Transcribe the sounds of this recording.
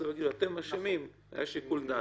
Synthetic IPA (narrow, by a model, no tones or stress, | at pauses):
evaɡiduat̪emaʃamim | a̰jaʃikuld̪a